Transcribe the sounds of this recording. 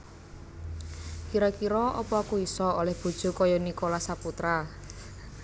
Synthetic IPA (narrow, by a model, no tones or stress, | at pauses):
kiɾɔkiɾɔʔɔpɔakuisɔolɛhb̥ṳd̥ʒ̥ṳkɔjɔnikolasaput̪ɾa